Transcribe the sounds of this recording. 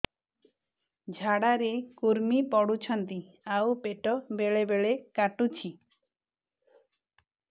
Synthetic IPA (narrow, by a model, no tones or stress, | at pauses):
d͡ʒʱaɽaɾekuɾmipɔɽut͡ʃʰɔnt̪i | awpeʈɔbeɭebeɭekaʈut͡ʃʰi